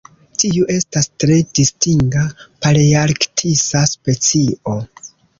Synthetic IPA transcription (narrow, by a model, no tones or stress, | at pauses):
tiuʔe̞stastɾe̞distiŋɡapaliaɾktʰisaspe̞t͡sio̞